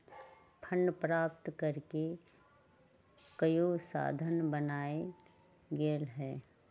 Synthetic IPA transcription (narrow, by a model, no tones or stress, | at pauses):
pʰənːpɾaːp̚t̪kəɾke | kəjosa̰ːd̪ʱənbənaːe | ɡeːlɦɛː